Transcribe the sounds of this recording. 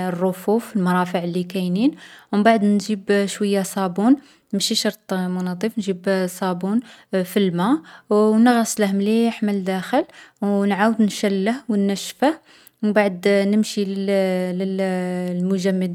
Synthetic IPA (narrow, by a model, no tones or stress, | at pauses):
ərˤːofufəlmɑɾˤɑfəʕlːikæjninwmbaʕd̪nʒibʃwəjːasˤɑbun | nəmʃiʃɑɾˤt̪ˤmʊnɑd̪ˤifnʒibsˤɑbunfilmæ | nəɣɑsˤləhmliħməld̪æxəlwnʕawəd̪nʃælːəhwənːæʃfəh | wmbaʕəd̪nəmʃilləllmʊʒæmːəd̪